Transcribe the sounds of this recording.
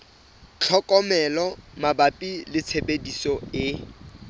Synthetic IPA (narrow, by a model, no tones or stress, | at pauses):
t͡ɬʰɔkʼɔmɛlɔmabapʼilɪt͡sʰebedisɔɪ